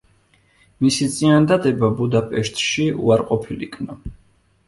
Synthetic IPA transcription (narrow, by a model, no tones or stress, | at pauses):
misit̪sʼiand̪ad̪ɛbabud̪apʼɛʃt̪ʼʃiṵaɾqʼɔpʰilḭkʰnɔ